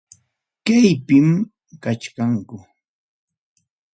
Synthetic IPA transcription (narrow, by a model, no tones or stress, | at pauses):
kajpɪm | kat͡ʃkaŋkʊ